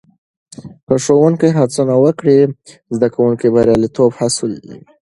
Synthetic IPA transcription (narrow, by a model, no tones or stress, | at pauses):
pəʂowuŋkəjɦat͡sunawəkɽi | zd̪akawuŋkibaɾjɑlit̪obhasld̪ḭ